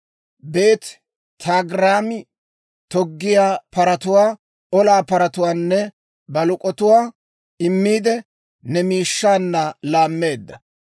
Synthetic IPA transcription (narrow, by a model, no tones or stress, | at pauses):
be̞ːt̪ | t̪ʰaːɡɾaːmɪ | t̪ɔɡːɪjaːpɐɾɐt̪ʊwaː | ɔlaːpɐɾɐt̪ʊwaːnːɛ | bɐlʊkʼɔt̪ʊwaː | ɪmːiːd̪ɛ | nɛmiːʃːaːnːɐlaːmːe̞ːd̪ːɐ